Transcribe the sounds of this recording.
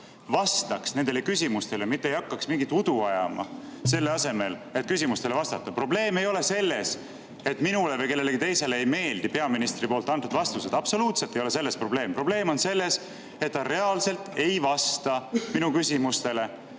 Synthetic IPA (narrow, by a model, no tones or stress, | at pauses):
vɑst̪ɑksne̞nd̪elekysʲimust̪e̞lemit̪ːejɑkːɑksmiŋɡit̪ˑud̪̥uɑjɑ̰mɑ̰ | se̞lːe̞ɑse̞me̞let̪̚ːˑkysimust̪e̞levɑst̪ɑt̪ːˑɑpro̞ble̞ːme̞jo̞le̞se̞lːe̞s | e̞t̪ːˑminule̞vɤjke̞lːe̞leɡ̥it̪e̞jse̞leejme̞ːld̪̥ipe̞ɑminist̪ripo̞ːlt̪ːˑɑnt̪ːud̪vɑst̪use̞d̪ɑb̥so̞luːt̪selt̪ːˑejo̞le̞se̞lːe̞spro̞b̥le̞ːmpro̞ble̞ːmo̞nse̞lːe̞s | e̞t̪ːɑɾe̞ɑlse̞lt̪e̞jvɑst̪ɑminukysʲimust̪e̞le̞